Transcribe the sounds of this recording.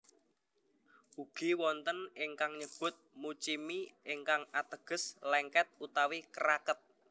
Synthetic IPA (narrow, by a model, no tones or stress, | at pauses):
ʔuɡ̥iwɔnt̪ənɪŋkaŋɲəb̥ʊ̤t̪̚mut͡ʃimiɪŋkaŋat̪əɡ̥ə̤slɛŋkɛt̪̚ut̪awikəɾakət̪̚